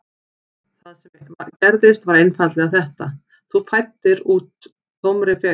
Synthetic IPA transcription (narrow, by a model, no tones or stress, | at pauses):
θaðsɛmacɛɾðɪst̪vaɾejnfat̪lɛɣaθɛht̪a | θufajt̪ːɪɾuːt̪ | θowmɾɪfɛ